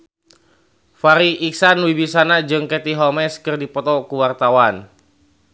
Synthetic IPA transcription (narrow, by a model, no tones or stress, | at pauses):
faɾiʔiksanwibisanad͡ʒɨŋkɛt̪iɦɔmɛskɨrdipɔt̪ɔkuwart̪awan